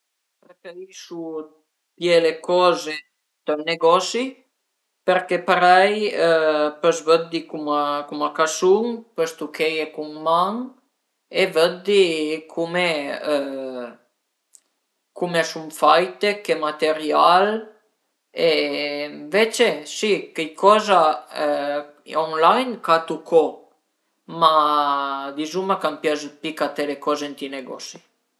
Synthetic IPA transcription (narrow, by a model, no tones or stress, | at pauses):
pɾekedisu | d̪jelekɔze | t̪əlneɡɔsi | peɾkepaɾɛj | pəsvəd̪ikumakumakasuŋpəst̪ukʰejekumːaŋ | evəd̪ikʰume | kumeasumfajt̪ekemat̪eɾjal | eɱvet͡ʃesikejkɔza | oŋlajnkat̪ukʰɔ | ma | d̪izumakampjazpikat̪elekɔzent̪ineɡɔ̰si